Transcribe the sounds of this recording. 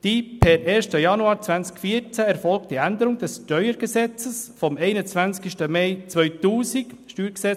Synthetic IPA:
d̥ipʰɛɾʔeːɾʃtəjɑnuɑːɾt͡sʋænt͡skfiːəɾt͡sæɛɾfɔlk̚td̥iænd̪əɾʊŋd̥ɛsʃtœʏəɾɡ̥əsɛt͡səsfɔmɛɪnət͡svænt͡skiʃtəmɛɪt͡sʋœʏtuːsikʃtyːɾɡsɛt͡s

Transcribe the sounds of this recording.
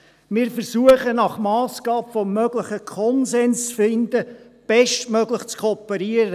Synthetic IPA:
mɪːɾfəɾsuəχənɑχmɑːsɡ̥ɑːbfɔmːøɡlɪχəkʰɔnzɛnst͡sfɪnd̪əb̥ɛʃtmøɡlɪχt͡skʰopɛɾiəɾə

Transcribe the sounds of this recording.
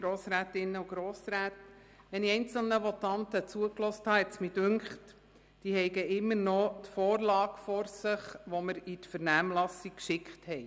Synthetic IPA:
ɡ̥ɾoːsɾæːtɪnːəuɡ̥ɾoːsɾæːt̪ | ʋɛniɛjnt͡sl̩nəʋɔt̪ɑnt̪ət͡suəklɔːsthɑːɦɛt̪smidʉŋkχt | d̥iːɦɛɪɡəɪmːəɾnɔt̪fɔːrlɑːkfɔɾsɪχʋɔməɾitfəɾnæːmlɑsikkːʃɪkχthɛɪ

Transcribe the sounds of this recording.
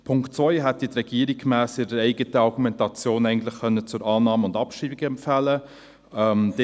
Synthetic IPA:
pʰʊŋktt͡sʋɔʏɦɛtːitrɛɡ̥iəɾik̚kmæːsɪɾəɾɛɪɡətəɑɾɡumɛntɑt͡sjoːnɛɪɡən̩t̪lɪχkœnːət͡sʊɾɑːnɑːməʊndɑpʃiːbiɡəɛmpfælə | ɛmd̥e

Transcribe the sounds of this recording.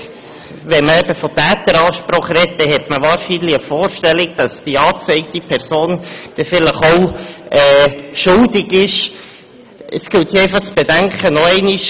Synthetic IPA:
ʋɛməɛbəfɔt̪æːt̪əɾɑːʃpɾɔχrɛt̚dɛɦɛtməʋɑːɾʃinliəfoːɾʃtɛlikd̪̥ɑsd̥iɑːt͡sɛɪk̚t̪ipʰɛɾsoːnd̪̥ɛfɪləχowɛːʃʊldɪɡɪʃ | ʔəsɡ̥ɪlt̪iɛɪfɑχt͡sb̥ɛdæŋkʰənɔɛɪniʃ

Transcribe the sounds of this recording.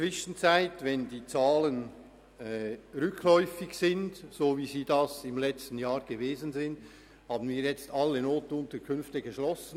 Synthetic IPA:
t͡sv̥ɪʃn̩t͡saɪtvɛndiːt͡saːlənː | ʁʏkʰlɔʏfɪçsɪndsoːviːziːdasɪmlɛt͡stn̩jaːʁɡ̥əveːzn̩zɪnd | haːbn̩viːɾjɛt͡stalːənoːtʊntəkʰʏnftəɡəʃlɔsn̩

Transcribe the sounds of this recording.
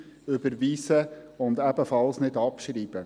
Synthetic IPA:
ʏbəɾviːsə | ʊnd̪ɛbəfɑlsnɪdɑpʃɾiːbə

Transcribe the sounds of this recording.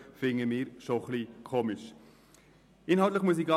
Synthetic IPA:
fɪŋəmɪːɾʃoχliːkʰoːmɪʃ | ɪnhɑlt̪̬ləχmuəs̬ikɑ

